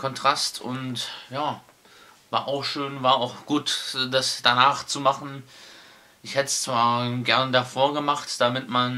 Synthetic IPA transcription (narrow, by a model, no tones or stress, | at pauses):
kʰɔntʁ̥astʰʊntjaː | vaːɐʔaʊxʃøːnvaːɐaʊxɡ̥uːtdasd̥anaːχt͡sumaχn̩ | ʔɪçhɛtəst͡sv̥aːɐɡɛɐnədafoːɐɡəmaχtd̥amɪtman